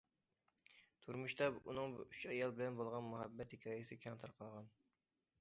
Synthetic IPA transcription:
t̪ʰuɾmuʃt̪ɑbṵnɨŋbuyt͡ʃɛjɑlˠbɪlɛnbolˠʁɑnmuɦɛbːɛt̪hikʲʰɑːjɨsɪkʲʰɑŋt̪ʰɑɾqʰɑlˠʁɑn

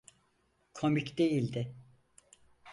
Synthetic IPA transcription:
kʰomicd̪ejilʲd̪ɪ

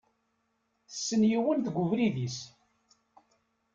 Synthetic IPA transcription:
θsːənjiwənt̪ɡʷʊvɾiðis

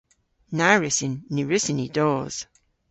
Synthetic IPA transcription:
naɹɪsɪnːiɹɪsɪnidɔːz̥

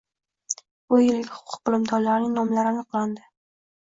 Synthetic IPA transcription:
ʊjɪlɡʲɪhʊqʰʊ̥q̚qɨlˠɪmt̪ʰɒllaɾnɪŋnɒmlaɾɪanɨqlˠand̪ɪ

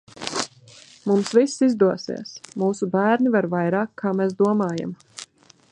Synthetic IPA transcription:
mumsvisːizd̪uɔsḭɛsmuːsubæːɾnivaɾvajɾaːkʰːaːmɛs̬d̪uɔmaːja̰m

